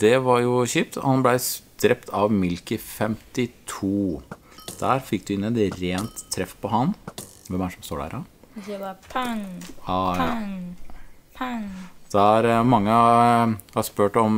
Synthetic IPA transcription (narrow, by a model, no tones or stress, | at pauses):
d̪̥ɛʋɑɾjʊçyːp̚t̪ʰɔhɑnblæɪd̪̥ɾɛpt̪ʰɑʋmɪlkəfɛmt̪ɪt̪ʰuː | d̪̥æːɾfɪk̚ːd̪ʉɪnːəɛt̪ɾeːnt̪ʰːɾɛfːpʰɔɦɑn | ʋɛmæʂɔmst̪oːɖæ̰ːɾɑ | ɑ | d̪̥æɾmɑŋːə | hɑɾspøːʈɔm